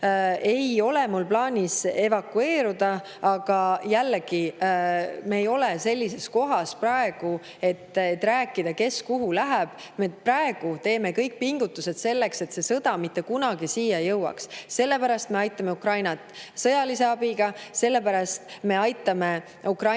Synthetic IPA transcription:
e̞jo̞le̞mulplɑːnʲise̞vɑkːue̞ːɾud̪̥ɑ | ɑɡ̥ɑjælːɡ̥i | me̞ːjo̞lese̞lʲːise̞sko̞ɦɑsprɑe̞ɡ̥u | e̞t̪ːˑet̪ːˑɾæːkːˑid̪̥ɑke̞skuɦulæɦæb̥ | meprɑe̞ɡ̥ut̪e̞ːme̞kɤjk̚piŋɡ̥ut̪ːˑuse̞d̪̥se̞lːe̞kse̞t̪se̞sɤd̪̥ɑmit̪ːe̞kunɑɡ̥isiːjɑjɤwɑ̰ksse̞lːe̞pæɾɑst̪me̞ɑjt̪ːˑɑme̞ukrɑjnɑt̪sɤjɑlise̞ɑbiɡ̥ɑse̞lːe̞pæɾɑst̪me̞ɑjt̪ˑːɑme̞ | ukrɑ

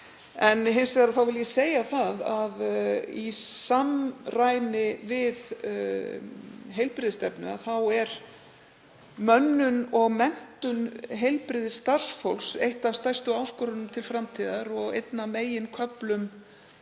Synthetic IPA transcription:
ɛnɦejnsveɣaɾaθawvɪljɛseːjaθaðaðisamrajnɪvɪð | ɦejlpɾɪðɪst̪ɛpnʏ̰a̰θawɛɾ | mœnːʏnɔɣmɛn̥t̪ʏnɦejlpɾɪːðɪst̪ar̥sfowlsejht̪avst̪ajst̪ʏaːwskɔɾʏnʏmt̪ʰɪlfɾamt̪ʰiːðaɾɔɣḛjt̪nameːjɪnkʰœplʏm

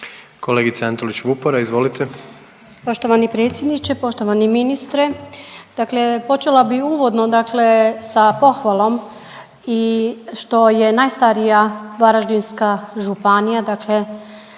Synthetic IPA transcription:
ko̞leɡit̪seant̪olit͡ɕʋupoɾaizʋo̞lit̪ʰe | po̞ʃt̪o̞ʋanipɾe̞ːt̪sjed̪nit͡ʃepo̞ʃt̪oʋaniminist̪ɾed̪̥akle̞po̞t͡ʃelabiuːʋo̞d̪nod̪akle̞sapo̞xʋalˠo̞m | iʃt̪o̞jenajst̪aɾijaʋaɾaʒd̪inskaʒupanijad̪akle

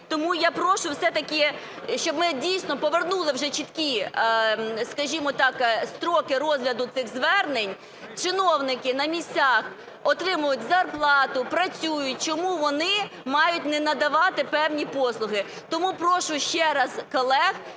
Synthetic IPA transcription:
t̪ɔmujapɾɔʃʊwsɛt̪ɐkʲɪ | ʃt͡ʃɔbmɪdʲijsnɔpɔʋernulˠɪwʒɛt͡ʃit̪kʲi | skɐʒʲimɔt̪ɑkst̪ɾɔkɪɾɔzɦlʲɐd̪ʊt̪sɪɣzʋɛrnenʲ | t͡ʃɪnɔwnɪkɪnɐmʲisʲt͡sʲax | ɔt̪ɾɪmʊjʊtʲzɐrplˠɑt̪ʊpɾɐt͡sʲujʊt̚ʲt͡ʃɔmuʋɔnɪmɑjʊt̚ʲnɛnɐd̪ɐʋɑt̪ɪpɛwnʲipɔslˠʊɦɪ | t̪ɔmupɾɔʃʊʃt͡ʃɛɾɐskɔlˠɛx

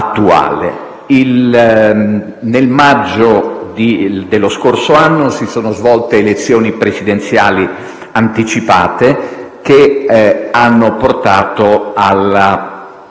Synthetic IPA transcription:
at̪ːua̰ːlḛ | il | nelmad͡ʒːod̪id̪elːoskorsoanːosisoːnozvɔlt̪eːlet̪sːjoːnipɾesid̪ent̪sja̰ːli | ant̪it͡ʃipa̰ːt̪eke | anːoport̪aːt̪oala

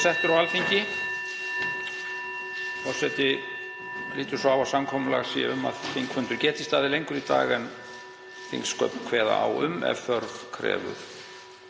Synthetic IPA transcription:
sɛht̪ʏɾawalfiɲcɪ | ɔsɛt̪ɪ | liːt̪ʏ̥sɔawvawsamkʰɔmʏla̰ɣaɾsiːja̰ʏmːa̰ðfiŋkʰfʏnt̪ʏɾcɛːht̪ɪst̪aːðɪlejŋkʏɾit̪a̰ːɣɛn | θḭŋkskœpn̥kʰvɛːða̰a̰wʏ̰mɛ̰vfœɾvkʰɾɛ̰ːvʏ̰ɾ̥

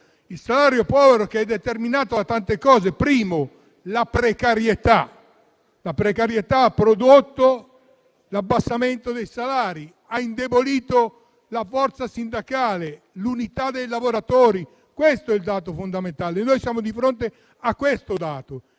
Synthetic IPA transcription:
ilsalaːɾjopɔːveɾokeɛd̪ːet̪erminaːt̪oat̪ant̪ekɔːzepɾiːmo | lapɾekaɾjet̪a | lapɾekaɾjet̪aapːɾod̪ot̪ːo | labːasːament̪od̪ejsalaːɾi | aind̪eboliːt̪o | lafɔrt̪sasind̪akaːle | lunit̪ad̪ejlavoɾat̪oːɾi | kwest̪oɛild̪aːt̪̬ofond̪ament̪aːlenːojsjaːmod̪ifɾont̪e | akːwest̪od̪aːt̪o

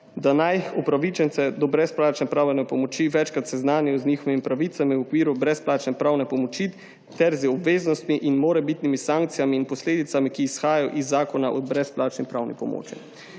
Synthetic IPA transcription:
d̪anajɔpɾaʋit͡ʃɛntsɛd̪ɔbɾɛsplaːt͡ʃnɛpɾaːwjɛnɛpɔmɔt͡ʃiʋɛt͡ʃkɾat̪sɛznaːnjɛɔznixɔʋimipɾaʋiːt̪samiwɔkʋiːɾubɾɛsplaːt͡ʃnɛpɾaːwnɛpɔmɔt͡ʃi | t̪ɛɾzɔbʋeːznɔst̪miʔinmoːɾɛbit̪nimisaŋkt̪sijamiːnpɔsleːd̪it̪samikiːsxaːjajɔ̰ʔizːaːkɔnaʔɔ̰bɾɛsplaːt͡ʃnipɾaːwnḭpɔmo̰ːt͡ʃḭ

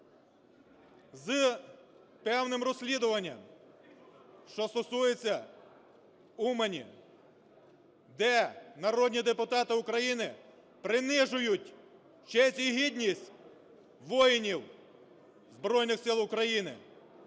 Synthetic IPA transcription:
z | pɛwnɪmrɔsʲlʲid̪ʊʋɐnʲːɐ̰m | ʃt͡ʃɔst̪ɔsujet͡sʲːɐ | umenʲḭ | d̪ɛnɐɾɔd̪ʲnʲid̪epʊt̪ɑt̪ɪʊkɾɐjinɪ | pɾɪnɪʒʊjʊtʲ | t͡ʃɛsʲiɦidʲnʲisʲtʲ | ʋɔjɪnʲiw | zbɾɔjnɪxsɪlˠʊkɾɐjinɪ̰

